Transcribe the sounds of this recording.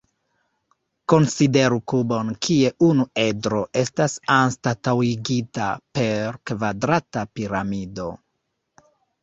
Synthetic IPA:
ko̞nside̞ɾukubo̞nkʰie̞ʔunue̞dɾo̞ʔe̞stasanstatawiɡitape̞ɾkvadɾatapiɾamido̞

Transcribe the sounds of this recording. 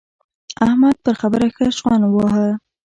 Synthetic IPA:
ahmad̪̚pəɾxabəɾaxəʃɣɑnwɑɦəl

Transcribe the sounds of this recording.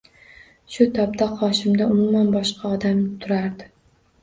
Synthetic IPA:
ʃʊt̪ʰɒpt̪ʰaqʰɒʃɪmd̪aʊmʊmanbɒʃqʰɑɒd̪amt̪ʰʊɾaɾd̪ɪ

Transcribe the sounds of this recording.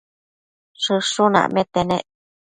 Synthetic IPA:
ʂɨʂunã̰ʔmẽt̪enḛ̃ʔ

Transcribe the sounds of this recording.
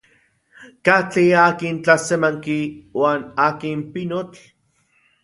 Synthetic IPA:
kat͡ɬiaːkint͡ɬasemaŋkiwaːnaːkimpinot͡ɬ

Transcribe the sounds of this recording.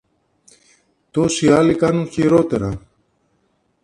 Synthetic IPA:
t̪o̞siɐlikɐnuŋçiɾo̞t̪e̞ɾɐ

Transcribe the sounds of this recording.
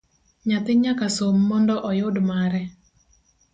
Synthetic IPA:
ɲat̪ɪɲakasomːɔndɔʔɔjʊdmaɾɛ

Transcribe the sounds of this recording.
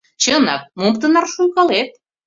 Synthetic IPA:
t͡ɕənɑk̚mompt̪ənɑrʃujɣɑlet̪̚

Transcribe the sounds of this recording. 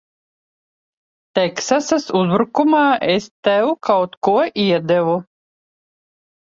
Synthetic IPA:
t̪ɛksasasuzbɾukumaːʔest̪ɛwkawt̪kuɔʔiɛd̪ɛvu

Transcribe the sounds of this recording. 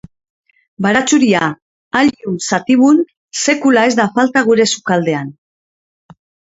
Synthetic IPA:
baɾat͡suɾia | aʎunsat̪iβun | se̞kulae̞zd̪afalt̪aɣ̞uɾe̞sukald̪e̞an

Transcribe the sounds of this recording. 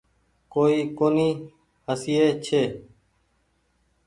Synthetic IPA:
koːiːkoːniː | həsieːt͡ʃʰeː

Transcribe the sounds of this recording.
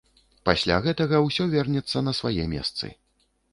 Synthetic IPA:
pasʲlʲa̰ɣɛt̪ɐɣɐwsʲɔvʲɛrnʲɛt̪sːɐnɐsvajɛmʲɛ̰st̪sɨ̰

